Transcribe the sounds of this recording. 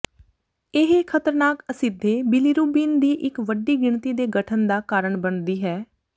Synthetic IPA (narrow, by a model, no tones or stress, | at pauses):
ɪɦkʰət̪əɾnaːkəsɪd̪ʱːeːbɪliɾuːbiːnd̪iːʔɪkʋəɖiːɡɪɳt̪iːd̪eːɡəʈʰənd̪aːkaːɾəɳbənd̪iːɦɛː